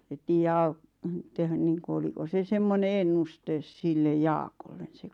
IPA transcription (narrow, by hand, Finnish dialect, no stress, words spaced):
et tiːjːæ ɑut tehæn niːŋku oliko se semːone enːustes silːej jɑːkolːen se